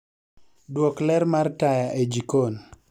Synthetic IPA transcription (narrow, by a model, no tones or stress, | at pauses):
dwɔklɛɾmartajaʔed͡ʒikon